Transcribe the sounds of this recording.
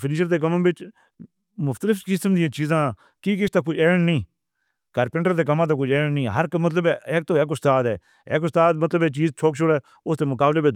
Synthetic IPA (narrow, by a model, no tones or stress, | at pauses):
pʰɪniːʃəɾd̪eːk̬əmãbɪt͡ʃ | mʊft̪əlɪfkɪsəmd̪ɪjãːt͡ʃiːzãː | kiːkɪst̪aːkʊt͡ʃʰɛːɳnĩː | ɡ̥əɾpɪ̃ɳʈəɾd̪eːk̬əmãːt̪̬ãːkʊt͡ʃʰɛːɳnĩːɦəɾmət̪ləbɛːeːk̚t̪oːeːk̬ʊst̪aːd̪ɛ̰ː | eːkʊst̪aːd̪̚mət̪ləbɛːt͡ʃiːzt͡ʃʰoːkʃʊɽɛː | ʊst̪eːmʊkaːbleːbe